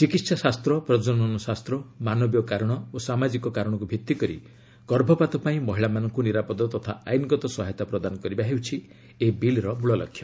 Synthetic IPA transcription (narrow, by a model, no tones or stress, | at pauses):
t͡ʃikit̪sasast̪ɾɔpɾɔd͡ʒɔnɔnɔsast̪ɾɔmanɔbjɔkaɾɔɽ̃ɔosamad͡ʒikɔkaɾɔɽ̃ɔkubʱit̪ːikɔɾḭ | ɡ̥ɔɾbʱɔpat̪ɔpaĩmɔɦiɭamanɔŋkuniɾapɔd̪ɔt̪ɔt̪ʰa̰a̰jnɡɔt̪ɔsɔɦajt̪apɾɔd̪anɔkɔɾibaɦewt͡ʃʰi | ebilɾɔmuɭɔlɔ̰kʰːjɔ